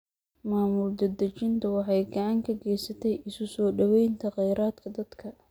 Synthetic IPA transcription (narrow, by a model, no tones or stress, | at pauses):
maːmʊld̪ɐd̪ɐt͡ʃɪnt̪ʰɐwɑħɑjɡɐʕɑŋkʰɐɡɛjsɐt̪ʰɛjɪsʊsɔːɖɐwɛjnt̪ʰɐqɛjɾaːd̪kʰɐd̪ɐd̪̥kʰɐ